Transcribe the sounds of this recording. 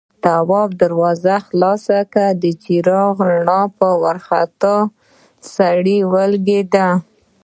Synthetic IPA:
t̪awɑbd̪aɾwɑzaxlɑsakad̪ət͡ʃiɾɑɣɳɑpəwaɾxat̪ɑ | saɽiwəlɡed̪a

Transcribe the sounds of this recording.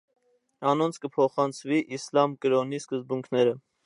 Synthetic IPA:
ɑnɔnt͡sʰkəpʰɔχɑnt͡sʰviʔislɑmkəɾɔniskəzbuŋkʰnɛɾə

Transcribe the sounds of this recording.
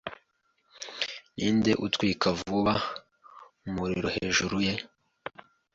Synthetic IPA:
niːnde̞ʔutkwiːkʰavuβa | umuɾiɾoheːʒuɾuje̞

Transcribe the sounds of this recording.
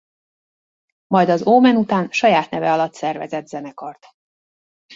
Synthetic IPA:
mɒjd̪ɒzoːmɛnut̪aːnʃɒjaːt̪nɛvɛ̰ɒlɒt̪sɛrvɛ̰zɛd̪zɛnɛkɒrt̪

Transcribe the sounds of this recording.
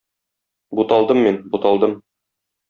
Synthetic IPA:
but̪ɑlˠd̪ɤmːinbut̪ɑlˠd̪ɤm

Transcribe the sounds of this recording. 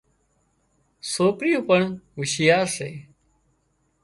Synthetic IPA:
soːpɾɪjõːpəɳʋɪʃɪjaːɾseː

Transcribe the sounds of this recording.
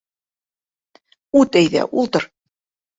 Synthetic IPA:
ut̪æjðæ̰ʔulˠt̪ɤɾ

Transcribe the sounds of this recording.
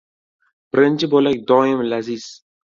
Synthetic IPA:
b̥ɪɾɪnt͡ʃʰɪbolak̚ʲd̪ɒːjɪmlaziz̥

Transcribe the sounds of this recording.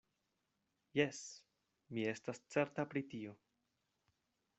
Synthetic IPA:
je̞s | mie̞stast͡se̞ɾtapɾitio̞

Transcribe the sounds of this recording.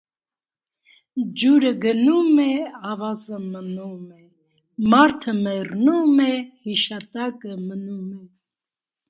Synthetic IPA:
d͡ʒuɾəɡənumɛɑvɑzəmənumɛ | mɑɾt̪ʰəmɛrnumɛhiʃɑt̪ɑkəmənumɛ

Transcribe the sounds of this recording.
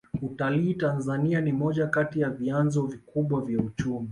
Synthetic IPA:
utaliːtanzanianimɔʄakatijavianzɔvikuɓwavjaut͡ʃumi

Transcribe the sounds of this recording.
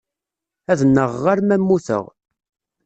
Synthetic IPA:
æðnːəʁːaɾmæmːuθə̰ʁ

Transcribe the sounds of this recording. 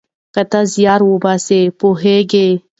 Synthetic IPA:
kɐt̪azijaːɾwobasepoɦeɡe

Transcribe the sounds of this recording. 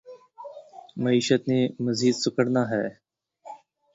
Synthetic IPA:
məiːʃət̪neːməziːd̪sʊkəɽnaːɦɛː

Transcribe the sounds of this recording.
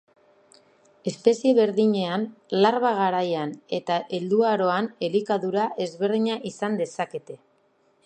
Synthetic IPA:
e̞spe̞sie̞βe̞ɾðiɲe̞anlaɾβaɣaɾajane̞t̪aʔe̞ld̪uaɾo̞ane̞likaðuɾaʔe̞zβe̞ɾðiɲaʔisand̪e̞sake̞t̪e̞

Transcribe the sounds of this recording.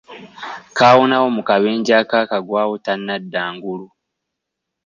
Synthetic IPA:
kaːwonao̞mukaβe̞ːɲɟaːkakaɡwaːwotanːadːaːŋɡulu

